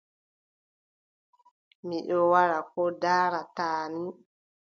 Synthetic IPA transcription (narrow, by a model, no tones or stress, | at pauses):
miɗɔwaɾakɔdaːɾataːni